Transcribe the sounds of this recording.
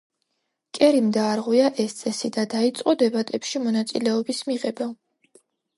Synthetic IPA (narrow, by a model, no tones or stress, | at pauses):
kʼɛɾimd̪aːɾʁwiaʔɛst̪sʼɛsid̪ad̪ait̪sʼqʼɔd̪ɛbat̪ʼɛpʃimɔnat̪sʼḭlɛɔbismiʁɛba